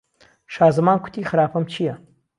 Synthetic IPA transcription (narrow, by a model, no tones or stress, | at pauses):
ʃaːzɨmaːnkʷʰʊ̥t̪ʰiːxɨɾaːpʰɐmt͡ʃʰijɐ